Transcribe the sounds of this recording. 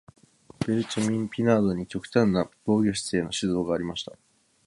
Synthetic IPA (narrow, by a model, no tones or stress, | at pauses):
b̥eɾɯ̟t͡ɕamʲĩmpʲinaːd̪o̞ɲ̟it͡ɕo̞kɯ̟̥t̪ãnːab̥o̞ːɡʲo̞ɕ̬i̥se̞ːno̞ɕizo̞ːɡaːɾʲimaɕi̥t̪a